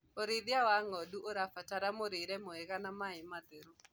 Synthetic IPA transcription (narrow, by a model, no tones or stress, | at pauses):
oɾɪðjawaŋɔduʔoɾafataɾamoɾeɾɛmoeɣanamaɪmaðeɾo